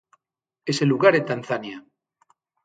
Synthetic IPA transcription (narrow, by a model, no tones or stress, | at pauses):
eseluɣaɾet̪anθanja